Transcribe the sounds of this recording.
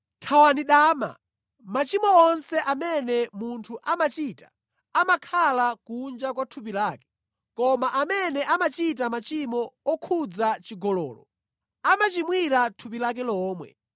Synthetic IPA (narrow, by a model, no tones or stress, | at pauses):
tʰawaniɗaːma̰ | mat͡ʃimɔɔnsɛʔamɛnɛmuntʰuʔamat͡ʃitḁ | amakʰalakund͡ʒakwatʰup̬ilaːkɛ̥ | kɔmaʔamɛnɛʔamat͡ʃitamat͡ʃimɔɔkʰud͡zat͡ʃiɡɔlɔ̰ːlɔ̰ | amat͡ʃimwiɾatʰup̬ilakɛlɔːmwɛ̰